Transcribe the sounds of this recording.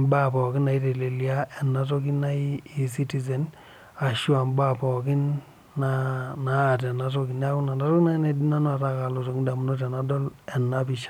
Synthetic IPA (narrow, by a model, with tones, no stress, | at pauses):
mba˦pɔ˨kɪ˦na˨i˦te˨le˨lia˦ɛ˨nːa˨tɔ˦k̬i˦na˦i˦i˨si˦ti˦zɛ˨n | a˨ʃu˦a˨mba˦pɔ˨kɪ˦nː | anaː˨t̬ɛ˨na˦t̬ɔ˦ki˨n˦a˦ku˦na˨na˦ɾɔ˦kna˦nɛ˨di˦na˦n˦a˨ta˨ka˨lo˨to˨kda˨m˦nɔ˦t̬ɛ˨na˦dɔ˦lɛ˨nːa˦pi˨ʃḁ˨